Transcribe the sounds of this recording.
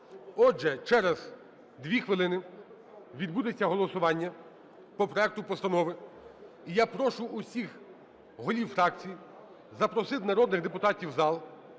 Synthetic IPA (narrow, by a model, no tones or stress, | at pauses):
ɔd͡ʒɛt͡ʃɛɾɐz | d̪ʋʲixʋɪlˠɪnɪ | ʋʲid̪̚bud̪et͡sʲːɐɦɔlˠɔsʊʋɑnʲːɐ | pɔpɾɔɛk̚t̪ʊpɔst̪ɐnɔʋɪ | ijapɾɔʃʊʔːsʲix | ɦɔlʲiwfɾɑk̚t͡sʲiji | zɐpɾɔsɪt̪nɐɾɔd̪nɪɣd̪epʊt̪ɑtʲiwzɑlˠ